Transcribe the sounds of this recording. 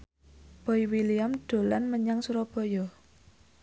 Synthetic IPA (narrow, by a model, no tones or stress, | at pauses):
b̥ɔjwiliamɖ̥o̤lanməɲaŋsuɾɔb̥ɔ̤jɔ